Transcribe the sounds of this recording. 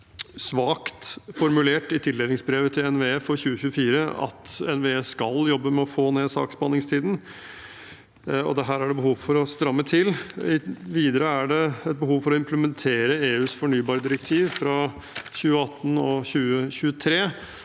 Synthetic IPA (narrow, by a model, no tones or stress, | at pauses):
sʋɑːkt̪fɔɾmʉleːʈɪt̪ʰɪlːɛd̪ɪŋsbɾeːʋət̪ʰɪlɛnʋeːɛfɔɾçʉːəçʉːəfiːɾəɑ̰t̪ɛnʋeːɛskɑljɔbːəmɛɔfoːneːd̪sɑ̰ːkspɑnɪŋst̪ʰiːd̪n̩ | ɔ̰d̪ɛɦæːɾæɖɛbəɦuːʋfɔɾɔst̪ɾɑmːət̪ʰɪlːɪʋiːd̪əɾəæɖɛɛt̪̚bəɦuːʋfɔɾɔɪmpləmɛnt̪ʰeːɾəeːʉːsfɔɳyːbɑːɾəd̪ɪɾək̚t̪ʰiːʋfɾɑ | ɕʉːəɑt̪ːənɔçʉːəçʉːət̪ʰɾeː